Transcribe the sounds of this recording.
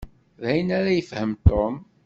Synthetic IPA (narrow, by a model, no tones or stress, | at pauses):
ðæjənæɾæjəfhəmt̪om